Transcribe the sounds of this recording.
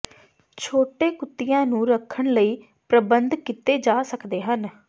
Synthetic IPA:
t͡ʃʰoːʈeːkʊt̪ːɪjãːnũːɾəkʰːəɳləiː | pɾəbənd̪kɪt̪eːd͡ʒaːsəkd̪eːɦən

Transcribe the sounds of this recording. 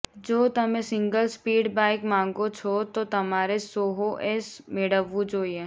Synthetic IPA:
d͡ʒoːt̪ɐmẽsɪ̃ŋɡəlspiːɖbaːɪkmãːŋɡot͡ʃʰot̪ot̪ɐmaːɾesoːɦoʔɛːsmeɽəʋud͡ʒoːie

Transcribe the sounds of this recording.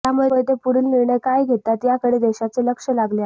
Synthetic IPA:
jamuet̪epuɾiːnniɾɳəjkajɡʱet̪ːat̪jakəɽeːd̪eɕat͡seləkʂəlaɡle

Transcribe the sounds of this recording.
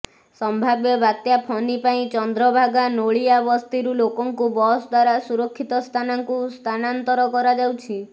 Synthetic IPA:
sɔmbʱabjebat̪japʰɔnipaĩt͡ʃɔnd̪ɾɔbʱaɡanoɭiabɔst̪ʰiɾulokɔŋkubɔsd̪waɾasuɾɔkʰːit̪ɔst̪ʰanaŋkust̪ʰanant̪ɔɾɔkɔɾad͡ʒawt͡ʃʰi

